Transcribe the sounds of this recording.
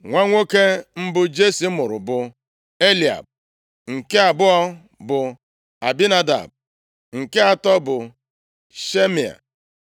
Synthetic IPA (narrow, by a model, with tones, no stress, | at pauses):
ŋʷa˦ŋʷo˦ke˦m̩˦bʊ˦d͡ʒe˦si˨˦mʊ˨ɾʊ̰˨bʊ˨ | e˦li˨a̰˨b̚ | ŋ̩˨ke˦a˨bʊ˦ɔ˦ | bʊ˨ | a˨bi˦na˦da̰˨b̚ | ŋ̩˨ke˦a˨tɔ˦bʊ˨ | ʃe˦mi˨a̰˨